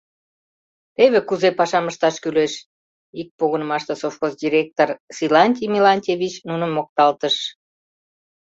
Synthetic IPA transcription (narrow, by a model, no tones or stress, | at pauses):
t̪eβekuzepɑʃɑməʃt̪ɑʃkyleʃ | ik̚poɣənəmɑʃt̪esofxozd̪ʲiɾʲek̚t̪orsilɑnʲt̪ʲimʲilɑnʲtʲevʲit͡ɕnunəmːok̚t̪ɑlt̪əʃ